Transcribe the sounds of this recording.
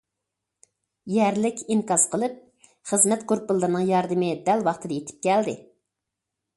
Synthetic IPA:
jɛɾlɪkʲiŋkɑz̥qʰəlˠɨp̚ | χəzmɛt̪koɾpɨlˠːɨɾnɨŋjɑɾd̪ɨmɪd̪ɛlwɑχt̪ʰɨd̪ɑjet̪ʰɪ̥p̚kʲɛld̪ɪ

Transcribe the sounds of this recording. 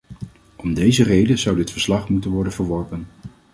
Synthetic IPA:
ʔɔmdejzərejdəzʌwdɪtfəɹslɑχmutənʋɔɹdənvəɹʋɔɹpən

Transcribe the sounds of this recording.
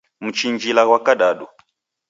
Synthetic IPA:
mut͡ʃind͡ʒilaɣwakaɗaɗɔ

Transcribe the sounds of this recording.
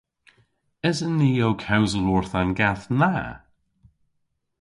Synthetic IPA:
ɪzənːiːjowkʰawzəluɹθanɡaθna

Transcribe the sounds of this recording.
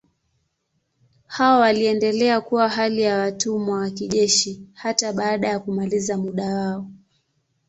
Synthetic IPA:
hawawaliɛndɛlɛakuwaɦalijawatumwawakiʄɛʃihataɓaːɗajakumalizamuɗawaɔ

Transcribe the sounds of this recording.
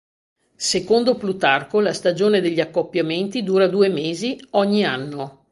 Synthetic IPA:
sekond̪oplut̪arkolast̪ad͡ʒoːned̪eʎːiakːopːjament̪id̪uːɾad̪uːemeːziɔɲːianːo

